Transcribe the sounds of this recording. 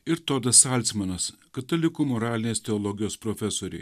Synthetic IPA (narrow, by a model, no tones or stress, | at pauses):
ɪɾt̪od̪ɐsɐlʲt̪sʲmɐnɐskɐt̪olʲɪkuːmɔɾɑːlʲɪnʲeːst̪ʲɛɔːlˠɔɡʲɪjoːspɾɔfʲɛsoːɾʲɛ̰ɪ